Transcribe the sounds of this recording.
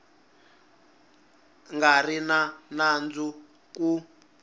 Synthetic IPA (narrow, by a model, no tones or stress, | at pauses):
ŋɡarinanand͡zu | ku